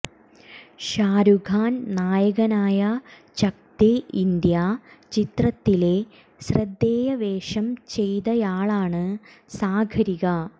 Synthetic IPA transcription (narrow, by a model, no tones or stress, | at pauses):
ɕaːɾuɡʱaːnnaːjɐɣɐnaːjɐt͡ɕɐk̚t̪eʔind̪jat͡ɕit̪rɐt̪ːile̞ | ɕrɐd̪ːeːjɐʋeːʂɐmt͡ɕe̞jt̪ɐjaːɭaːɳɨsaːɡʰʱɐɾiɣɐ